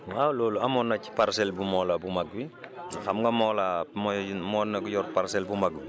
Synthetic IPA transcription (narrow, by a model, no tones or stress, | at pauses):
waloːluamɔnːat͡ʃi̥paɾsɛlbumɔlabumaɡwixamɡamɔlamɔmɔnːakjɔrpaɾsɛlbumaɡwi